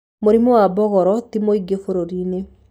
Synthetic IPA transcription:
moɾimɔwabɔɣɔɾɔtimoiɡefoɾoɾine

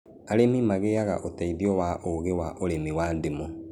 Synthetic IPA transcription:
aɾemimaɣeaɣa̰ʔotaiðjɔwaʔoɣewaʔoɾemiwaːndemɔ

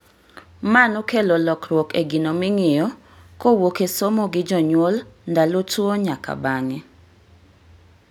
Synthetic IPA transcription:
manokelolɔkɾwɔkeɡinomɪŋɪjɔ | kowokesomoɡɪd͡ʒɔɲwolndalotwoɲaka̰baŋɛ

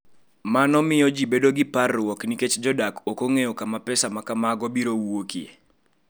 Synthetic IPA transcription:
manɔmɪjɔd͡ʒibedoɡɪparːwɔkniket͡ʃd͡ʒɔdakokoŋejɔkamapɛsamakamaɡɔbiɾowuwokjḛ

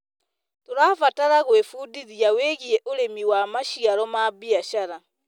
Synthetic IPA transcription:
toɾaːfataɾaɣwefudiðiaweɣiɛʔoɾemiwamaʃiaɾɔmabiaʃaɾa

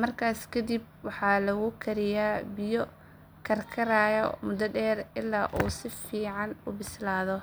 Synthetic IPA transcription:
mɐrkʰaːskʰɐd̪ib̚wɑħɑːlɐɣʊkʰɐɾɪjaːbɪjɔ | kʰɐrkʰɐɾaːjɐmʊd̪ɐɖɛːrɪlːaːʔuːsɪfiːʕɑnʊbɪslaːðɔ

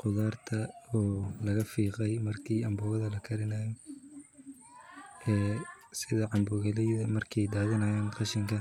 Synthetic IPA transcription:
qʊðaːrt̪ʰɐɔːlɐɣɐfiːqɛjmɐrkʰiːɐmbʊːɣɐðɐlɐkʰɐɾɪnajɛn | ɛː | sɪðɐʕɑmbʊɣɐlɛjðɐmɐrkʰɛjd̪aːɣɐnɐjaːnqɑʃɪŋkʰɐ

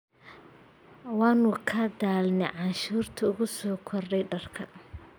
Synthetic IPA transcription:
wɑːnʊkʰɐd̪aːlnɛjʕɑnʃuːrt̪ʰɐʊɣʊsɔːkʰɔrɖɛjɖɐrkʰɐ̰

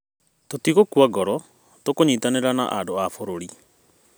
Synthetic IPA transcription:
totiɣokwaɡɔɾɔ | tokoɲiːtaneɾana̰ʔandoafoɾoɾi

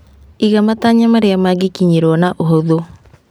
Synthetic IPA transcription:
iɣamataɲamaɾeamaɡikiɲeɾwɔnaʔoɦoðo

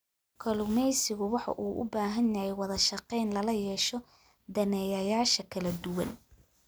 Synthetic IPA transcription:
kʰɐlʊmɛjsɪɣʊwɑħɑ̰ʔuːʔʊ̰baːɦɐnjɐhɛjwɑðɐʃɑqɛjnlɐlɐjɛːʃɔ | d̪ɐnɛːjɐjaːʃɐkʰɐlɐd̪ʊwɐ̰n

